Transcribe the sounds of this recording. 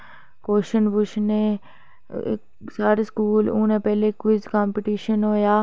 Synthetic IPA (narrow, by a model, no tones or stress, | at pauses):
koːʃənbʊʃnḛ | saːɾeskuːlṵ̃ːnẽːpɛːlekʊd͡ʒkaːmpɪʈiːʃənɦoːjaː